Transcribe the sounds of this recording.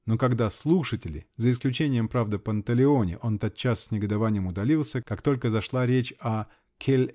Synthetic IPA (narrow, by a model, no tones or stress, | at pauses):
nokɐɡd̪aslˠuʂətʲɪlʲɪ̰zəɪsklʲʉt͡ɕenʲɪjəmpɾavd̪ɨpənəp̪əlʲɪo̞nʲɪ̰ʔo̞nt̪ot̪̚t͡ɕːassʲnʲɪɡəd̪ɐvanʲɪjəmʊd̪ɐlʲilˠsʲəkakt̪o̞lʲkəzɐʂlˠaɾʲet͡ɕɐ | kʲʰelʲ